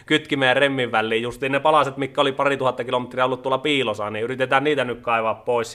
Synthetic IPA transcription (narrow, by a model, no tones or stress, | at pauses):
kyt̪kimeːremːiʋʋælːiːjjust̪iːnepɑlɑset̪mikːæolipɑrit̪uhɑt̪ːɑkilomet̪riɑolːut̪uolːˑɑpiːlosɑniːyrit̪et̪æːnniːt̪ænykkɑˑiʋɑːppoˑis